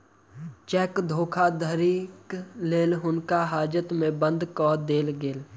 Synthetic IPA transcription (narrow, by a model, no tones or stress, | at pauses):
t͡ʃɛːkd̪ʱoːkʰad̪ʱəɾiːkleːlɦʊnkaɦaːd͡ʒət̪mẽbə̃nd̪kɔːd̪eːlɡeːl